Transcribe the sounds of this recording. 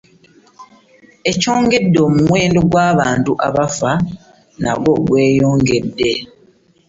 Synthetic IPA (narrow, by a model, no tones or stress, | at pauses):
e̞co̞ːŋɡe̞dːo̞ːmumwe̞ːndo̞ɡwaːβaːntuʔa̰βafa | na̰βo̞ɡwe̞ːjo̞ːŋɡe̞dːe̞